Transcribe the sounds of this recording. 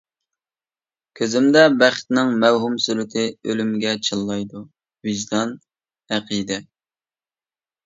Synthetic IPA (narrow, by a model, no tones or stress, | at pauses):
kʲʰøzɪmd̪ɛbæχt̪nɪŋmæwɦumsyɾɪt̪ʰɪølymɪɡʲɛt͡ʃʰɨlˠːɑjd̪u | viʒd̪ɑn | æqʰid̪ɛ